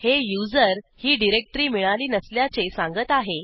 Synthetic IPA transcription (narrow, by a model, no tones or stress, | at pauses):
hejud͡zəɾhiːɖiɾek̚ʈəɾiːmiɭaliːnəsljat͡sesãŋɡət̪aɦe